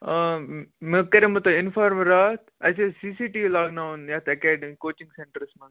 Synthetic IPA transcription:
mekɐɾemɐt̪ɐɪnfaːɾmɾaːt̪ɐs̬esisiːʈilaːknawnjaːt̪ʰɐkɛːɖemikoːt͡ʃĩŋɡseɳʈəɾsmɐn

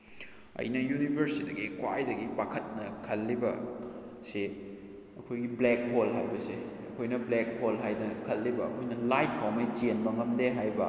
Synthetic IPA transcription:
ɐ̰jnɐjunibʱɐɾsidɐɡikwajdɐɡibakʰɐt̚nɐkʰɐlːibɐ | se | ɐkʰojɡiblek̚holɦa̰jbɐseɐkʰojnɐblek̚holɦajdɐkʰɐlːibɐɐ̰kʰojnɐlajt̚pʰawmɐjd͡ʒenbɐŋɐmdeɦajbɐ

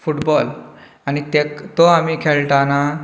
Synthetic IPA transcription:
fuʈbɔl | añit̪ekt̪oamiːkʰeɭʈana

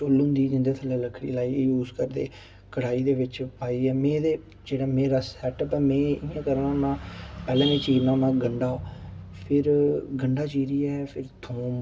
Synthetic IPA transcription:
t͡ʃoːlʊ̃ːnd̪iːd͡ʒɪnd̪ət̪ʰləːləkʰːɽḭːlaːijuːzkəɾd̪ḛː | kəɽ̤aːiːd̪eːʋɪt͡ʃpaːiːɛːmẽːd̪eː | d͡ʒeːɽaːmẽːɾasɛːʈːpəːmẽːɪãːkəɾnãːnãːpɛːlẽːʋẽːt͡ʃiːɾnãːnãːɡəɳɖaː | pʰɪɾɡəɳɖaːt͡ʃiːɾiːɛːpʰɪɾt̪ʰoːm

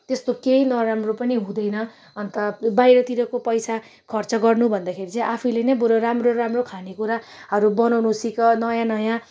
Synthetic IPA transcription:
t̪est̪okeinʌɾamropʌniɦũd̪ʌjnʌ | ʌnt̪ʌbajɾʌt̪iɾʌkopʌjsa | kʰʌrt͡sʌɡʌrnubʱʌnd̪akʰeɾit͡sʌ̃ĩʔapʰulenʌbuɾʌɾamroɾamrokʰanekuɾa | ɦʌɾubʌnʌwnusikʌnʌjãnʌjã

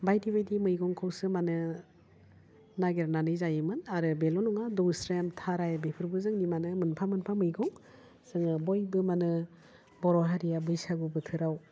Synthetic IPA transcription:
bajdibajdimɯjɡɔŋkʰawsɯmanɯ | naɡeɾnanɯjzajɯmɯnaɾɯbelɔnɔŋadɔwsɾemtʰaɾajabepʰɯɾbɯzɯŋnimanɯmɯnpʰamɯnpʰamɯjɡɔŋ | sɯŋɯbɔjbɯmanɯ | bɔɾɔɦaɾijabɯjsaɡubɯtʰɯɾaw

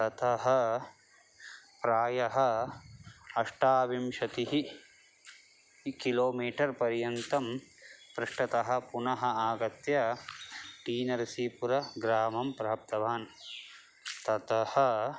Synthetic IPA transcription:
t̪ɐt̪ʰɐɦɐ | pɾaːjɐɦɐ̆ | ɐʂʈaːʋimʃɐt̪iɦi | kiloːmiːʈɐɾpɐɾjɐnt̪ɐmpɾɐʂʈɐt̪ɐɦɐ̆punɐɦɐaːɡɐt̪jɐ | ʈiːnɐɾisiːpuɾɐɡɾaːmɐmpɾaːp̚t̪ɐʋaːn | t̪ɐt̪ɐhɐ

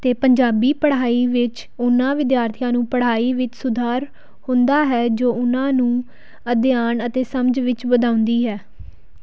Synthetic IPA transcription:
t̪eːpəɲd͡ʒaːbiːpəɽ̤aːiːʋɪt͡ʃ | ʊnãːʋɪd̪jaːɾt̪ʰijãːnũːpəɽ̤aːiːʋɪt͡ʃsʊd̪ʱaːɾ | hʊ̃nd̪aːɦɛːd͡ʒoːʊnãːnũː | əd̪jaːnət̪eːsəmd͡ʒʋɪt͡ʃbəd̪aːʊ̃nd̪iːɦɛː

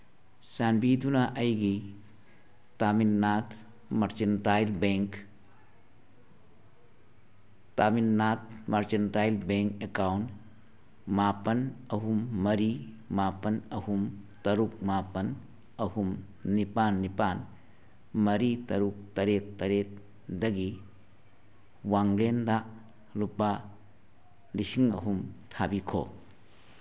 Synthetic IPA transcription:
saːnbiːd̪ʱunaʔɐjɡi | t̪aːminnaːt̪ | mɐɾt͡ʃɐnʈaːilbeŋk | t̪aːminːaːt̪mɐɾt͡ʃɐnʈaːjilbẽŋkekaːwn | maːpənɐɦumːɐɾi | mapɐnɐhumtɐɾuk̚mapɐn | ɐhum | nipanːipan | mɐɾitɐɾuk̚tɐɾetːɐɾet̚ | dɐɡi | waŋɾenda | lupa | lisiŋɐ̰ɦumtʰabikʰo̰

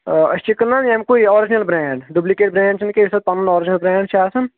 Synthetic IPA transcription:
ɐ̰st͡ʃikəlnːanjemkoiɔːɾɪd͡ʒnɐlbɾɛ̃ːɳɖɖublikeːʈ̚bɾɛ̃ːɳɖ̚t͡ʃʰɐnkeʋisɐd̪̚pɐnɐnɔːɾɪd͡ʒnɐlbɾɛ̃ːɳɖʃʰaːsɐn

